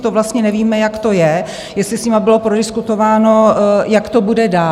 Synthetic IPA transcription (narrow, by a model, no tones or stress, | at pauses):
t̪ovlast̪ɲɛnɛviːmɛjakt̪o̞jɛ | jɛstlɪsɲɪmabɪlo̞pɾodɪskut̪o̞vaːno̞jakt̪o̞budɛdaː